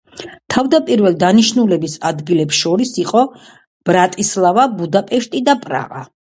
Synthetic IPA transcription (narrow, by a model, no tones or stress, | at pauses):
t̪ʰavd̪apʼiɾvɛlˠd̪aniʃnulɛbisad̪ɡilɛpsʃɔɾisiqʼɔ | b̥ɾat̪ʼislˠavabud̪apʼɛʃt̪ʼid̪apʼɾa̰ʁa̰